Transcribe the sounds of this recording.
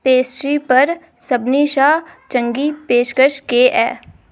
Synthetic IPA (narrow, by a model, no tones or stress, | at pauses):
peːsʈɾipɐɾ | sɐbniːʃaːt͡ʃɐ̃ŋɡipeːʃkəʃkeʔɛ̰ː